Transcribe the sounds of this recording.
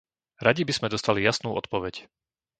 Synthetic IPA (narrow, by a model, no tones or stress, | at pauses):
ɾaɟibiz̥mɛd̪ɔst̪alijasnuːɔ̰t̪pɔʋɛc